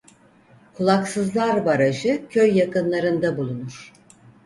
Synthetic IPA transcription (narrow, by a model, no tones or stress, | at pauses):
kʰulˠaksɯzlˠaɾbaɾad͡ʒɯcʰøjːakɯnlˠaɾɯnd̪abulˠunuɾ̥